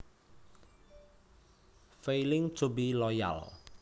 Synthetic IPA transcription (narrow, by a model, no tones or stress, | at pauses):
fejlɪŋt̪ʰubilɔja̰l